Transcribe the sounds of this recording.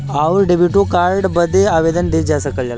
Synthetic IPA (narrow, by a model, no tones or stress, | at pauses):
aʋuɾɖebʱjuʈukaɾɖbəd̪ʱːeaːʋed̪ənd̪id͡ʒasɐkəlal